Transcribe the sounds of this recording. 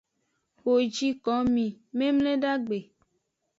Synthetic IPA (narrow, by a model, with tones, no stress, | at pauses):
wo˨d͡ʒi˦kɔ˨˦mĩ˨mẽ˦mle˦ɖa˦ɡ͡be˨